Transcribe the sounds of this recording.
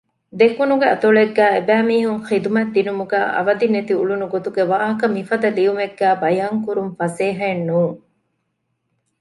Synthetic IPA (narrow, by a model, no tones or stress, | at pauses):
d̪ekunuɡeɐt̪oɭeɡːæːebæːmiːɦuŋχid̪umɐd̪ːinumuɡæːʔɐ̰ʋɐd̪inːet̪iuɭunuɡot̪uɡeʋaːɦɐkɐmifɐd̪ɐliumeɡːæːbɐjaːŋkuɾumfɐseːɦɐenːuːŋ